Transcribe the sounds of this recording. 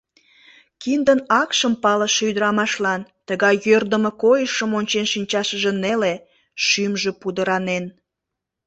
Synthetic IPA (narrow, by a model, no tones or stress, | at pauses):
kind̪ənɑkʃəmpɑləʃyd̪əɾɑmɑʃlɑnt̪əɣɑjjørd̪əməkojəʃəmonʲt͡ɕenʃinʲt͡ɕɑʃəʒĕnele | ʃymʒepud̪əɾɑnen